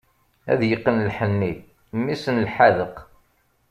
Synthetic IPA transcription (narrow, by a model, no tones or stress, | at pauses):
æ̰ðjəqːənlħənːi | mːisənlħaðəq